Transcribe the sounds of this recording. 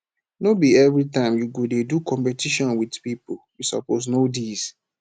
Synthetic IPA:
nobiɛvɹitãɪ̃mjuɡodedukʰɔ̃mpɛtʰiʃɔ̃nwidpipoljusɔ̰poznodiz

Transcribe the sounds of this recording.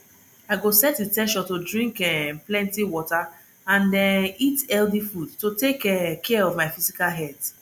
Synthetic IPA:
aɪɡosɛtitɛʃɔtodɹĩŋkɛplɛ̃ntiwɔta | ãndɛitɛldifudtotekɛkʰɛɔvmaɪfizikalɦɛd̥

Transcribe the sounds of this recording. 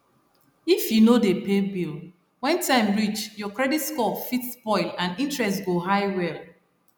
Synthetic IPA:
ifjunodepebil | wɛ̃ntãɪ̃mɹit͡ʃjɔkɹɛditskɔfitspɔɪlãnĩntɹɛstɡoɦaɪwɛl

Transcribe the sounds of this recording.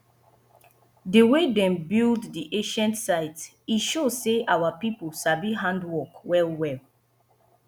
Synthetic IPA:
dəwedɛ̃mbilddiʔẽʃɛ̃ntsaɪt | iʃozseʔawapipolʃabiɦãndwɔkwɛlwɛl

